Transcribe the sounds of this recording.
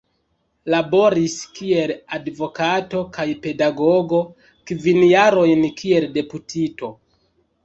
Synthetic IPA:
labo̞ɾiskie̞ladvo̞kato̞kajpe̞daɡo̞ɡo̞ | kvinjaɾo̞jnkie̞lde̞putʰito̞

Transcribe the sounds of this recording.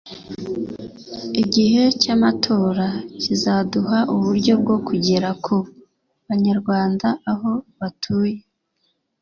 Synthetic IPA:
iɟihe̞camatʰo̞ːɾacizaduɦaʔuβuɾɟo̞b̚ɡo̞kʰuɟe̞ɾakʰo | βaɲaɾɡwaːndaʔaɦo̞βatʰuːje̞

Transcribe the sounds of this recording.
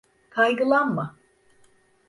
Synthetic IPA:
kʰajɡɯlˠanma

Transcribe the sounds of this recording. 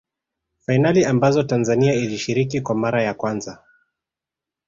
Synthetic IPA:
fajnaliambazɔtanzaniailiʃiɾikikwamaɾajakwanza

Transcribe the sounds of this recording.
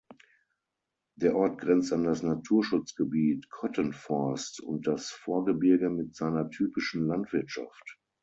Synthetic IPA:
d̥eːɐʔɔɐt̚ɡ̥ʁɛnt͡standasnatʰuːɐʃʊt͡sɡ̥əbiːtkʰɔtənfɔɐstʊ̰nt̚d̥asfoːɐɡəbɪɐɡəmɪtz̥aɪnɐtʰyːpɪʃn̩lantv̥ɪɐtʃa̰ft

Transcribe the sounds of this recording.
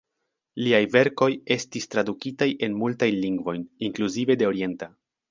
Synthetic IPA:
liajve̞ɾko̞je̞stistɾadukitajʔe̞nmultajnliŋɡvo̞jniŋkluzive̞de̞o̞ɾie̞nta

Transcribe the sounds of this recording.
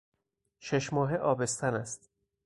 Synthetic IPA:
ʃeʃmɒːɦeʔɒːbe̞st̪ʰænæst̪

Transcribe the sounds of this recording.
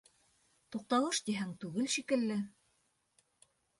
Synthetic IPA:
t̪uq̚t̪ɑlˠɤʃt̪iɦæŋt̪ʉɡɘlʃikɘ̆lːɘ

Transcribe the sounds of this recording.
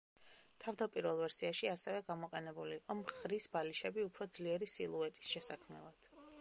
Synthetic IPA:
t̪ʰavd̪apʼiɾvɛlˠvɛɾsiaʃiasɛvɛɡamɔqʼɛnɛbuliqʼɔmχɾisbaliʃɛbiupʰɾɔd̪zliɛɾisilˠuɛt̪ʼi̥sʃɛsakʰmɛ̰lˠad̪̥

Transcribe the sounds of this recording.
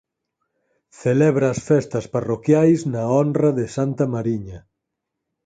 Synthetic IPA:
θelɛβɾaːsfɛst̪ɐsparokjajznaɔnrɐðɪsant̪ɐmaɾiɲɐ

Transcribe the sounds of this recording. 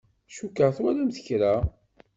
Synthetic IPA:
ʃukːaʁθwælæmθə̥çɾa

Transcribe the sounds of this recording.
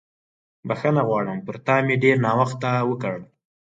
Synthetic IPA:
baxənaɣwɑɽəmpəɾt̪ɑmeɖeɾnɑwaxt̪awəkəɽ

